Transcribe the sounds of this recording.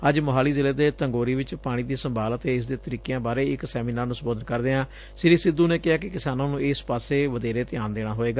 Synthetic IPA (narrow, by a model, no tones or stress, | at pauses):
əd͡ʒmʊɦaːliːzɪleːd̪eːt̪əŋɡoːɾiːʋɪt͡ʃpaːɽ̃ĩːd̪iːsəmbaːlət̪eːɪs̬d̪eːt̪əɾiːkejãːbaːɾeːɪksɛːmiːnaːɾnũːsəboːd̪ənkəɾd̪eːãː | sɪɾiːsɪd̪ːuːneːkɪɦaːkɪkɪsaːnãːnũːeːspaːseːʋəd̪eːɾeːt̪ɪjaːnd̪eːɽ̃aːɦoːeːɡaː